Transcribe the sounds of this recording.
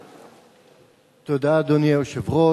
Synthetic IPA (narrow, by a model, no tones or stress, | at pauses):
t̪od̪ad̪onjeoʃevʁo